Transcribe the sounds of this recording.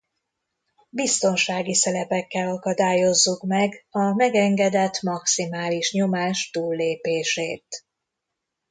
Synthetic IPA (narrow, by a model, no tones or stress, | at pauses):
bist̪o̞nʃaːɡisɛlɛpɛkːɛlɒkɒd̪aːjo̞zːukmɛɡɒmɛɡɛŋɡɛd̪ɛt̪mɒksimaːliʃɲo̞maːʃt̪uːlːeːpeːʃeːt̪